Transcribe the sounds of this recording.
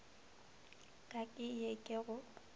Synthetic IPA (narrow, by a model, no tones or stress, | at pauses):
kʼakʼɪjekʼeɣʊ